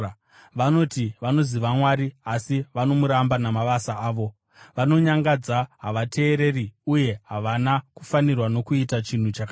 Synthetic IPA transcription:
ʋano̞tiʋano̞ziʋamwaɾiasiʋano̞muɾambanamaʋasaaːʋo̞ | ʋano̞ɲaŋɡad͡zaɦaʋate̞ːɾe̞riuje̞ɦaʋanaku̥fanirwano̞kuitat͡ʃin̤ut͡ʃaka

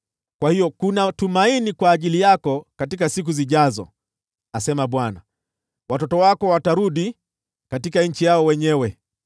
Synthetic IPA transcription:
kwahijɔkunatumainikwaːʄilijakɔkatikasik̬uziʄazɔ̰ | asɛmaɓwana | watɔtɔwakɔwataɾuɗi | katikaɲ̩t͡ʃijaɔwɛɲɛwɛ

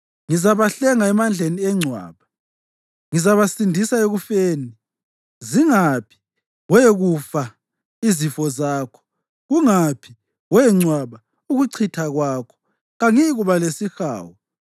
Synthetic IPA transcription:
ŋizaβaɬɛŋaɛmand͡ɮʱeniɛŋ͡ǀʱwa̰ːβa | ŋizaβasindʱisaeɣufeːni | ziŋapʰi̥ | wɛɣufa | izifɔzaːkʰɔ̥ | ɣuŋapʰi̥ | wɛŋ͡ǀwaβa | uɣuǀʰitʰaɣwakʰɔ̥ | ɣaŋiɣuβalesixa̰ːwɔ

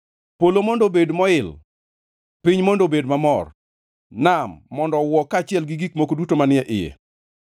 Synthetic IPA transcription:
polomɔndobedmɔɪl | pɪɲmondobedmamɔr | namːɔndɔwɔkːat͡ʃɪɛlɡɪɡikmokodutomanɪɛʔɪjɛ̰

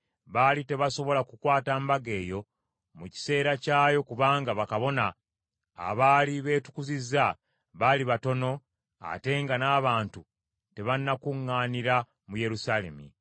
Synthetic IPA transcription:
βalite̞βaso̞βo̞lakukwaːtaːmbaɡe̞ːjo̞ | muci̥se̞ːɾacaːjo̞kuβaːŋɡaβakaβo̞na̰ː | βaːliβe̞ːtu̥kuzizːa | βaliβato̞no̞ | a̰te̞ŋɡanaːβaːntu | te̞βanːakuŋːaːniɾa | muje̞ɾusale̞̰mḭ

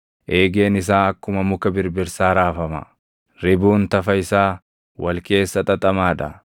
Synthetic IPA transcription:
ʔe̞ːɡe̞ːnɪs̬aːɐkːʊmɐmʊkɐbɪɾbɪɾsaːɾaːfɐmɐ̰ | ɾɪbuːnt̪ɐfɐɪsaː | wɐlke̞ːsːɐt̪ʼɐt̪ʼɐmaːᶑɐ̰

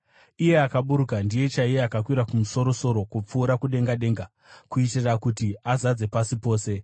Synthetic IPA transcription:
ije̞akaɓuɾukandije̞t͡ʃaijeakakwiɾakumuso̞ɾo̞so̞ɾo̞kup͡fuːɾakuɗe̞ŋɡaɗe̞ːŋɡa | kuitirrakutiazad͡ze̞pasipo̞ːse̞

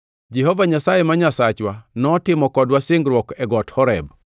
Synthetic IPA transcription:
d͡ʒɛɦɔvaɲasajemaɲasat͡ʃwanɔtɪmɔkɔdwasɪŋɡɾwɔkɛɡɔthɔɾɛb̚

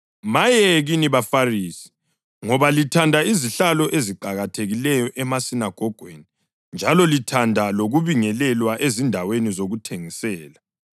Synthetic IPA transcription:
majɛɣiniβafariːsi̥ | ŋɔβalitʰandʱaiziɬalɔʔeziǃaɣatʰeɣilɛjɔʔɛmasinaɡ̥ʱɔɡ̥ʱweni | nd͡ʒʱalɔlitʰandʱaloɣuβiŋɛlɛlwaʔezindʱawenizoɣutʰeŋisɛːla

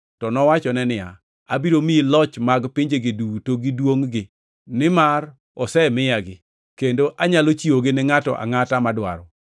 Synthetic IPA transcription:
tɔnɔwat͡ʃɔnɛnɪja̰ | abiɾomiilɔt͡ʃmaɡpiɲd͡ʒeɡɪdutoɡidwoŋɡɪ | nɪmar | ɔsɛmɪjaɡɪ | kendoʔaɲalot͡ʃioɡɪnɪŋatɔ̰ʔa̰ŋatamadwa̰ɾɔ

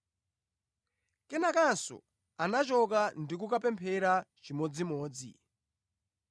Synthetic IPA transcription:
kɛnakansɔ̰ | anat͡ʃɔk̬andik̬ukapɛmpʰɛɾat͡ʃimɔd͡zimɔːd͡zḭ

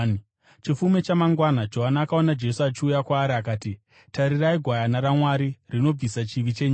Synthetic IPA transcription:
t͡ʃifumet͡ʃamaŋɡwanad͡ʒo̞ɦanaakao̞nad͡ʒe̞suat͡ʃiujakwaːɾiakaːti | taɾiraiɡʱwajanaɾamwaɾirino̞b͡visat͡ʃiʋit͡ʃeɲa

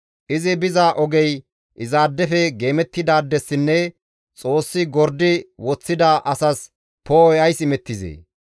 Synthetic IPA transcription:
ʔɪzɪbɪzaːʔɔɡɛj | ʔɪzaːd̪ːɛfɛɡe̞ːmɛt̪ːɪd̪aːd̪ːɛsːɪnːɛ | t͡sʼo̞ːsːɪɡɔɾd̪ɪwɔt͡sːɪd̪aːʔɐsɐs | poːjɐjsɪmɛt̪ːɪzḛː

